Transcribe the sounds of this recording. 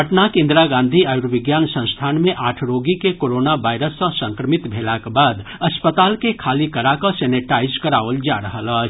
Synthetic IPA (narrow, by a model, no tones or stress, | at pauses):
əʈnakẽːnd̪ɾaɡãːnd̪ʱiaːjʊɾʋɪɡjaːnsə̃st̪ʰaːnmẽʔaːʈʰɾoːɡikekoːɾoːnabaːɪɾəsːə̃sə̃ŋkɾəmɪt̪bʱeːlakebaːd̪ɐspət̪aːlkekʰaːlikəɾakəsɛːneʈaːɪzkəɾaːʋəld͡ʒaːɾəɦələt͡ʃ